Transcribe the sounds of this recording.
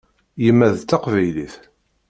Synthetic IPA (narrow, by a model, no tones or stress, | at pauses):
jəmːæðt̪ːɑqvæjliθ